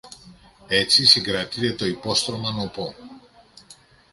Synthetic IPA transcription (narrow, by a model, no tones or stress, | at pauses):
e̞t͡sisiŋɡɾɐt̪it̪e̞t̪o̞ipo̞st̪ɾo̞mɐnopo